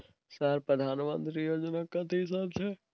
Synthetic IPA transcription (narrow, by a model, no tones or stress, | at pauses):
saɾpɾɐd̪ʱaːnmə̰̃nt̪ɾijoːd͡ʒnakɐ̃t̪ʰeɦɪs̬aːbt͡ʃʰɛ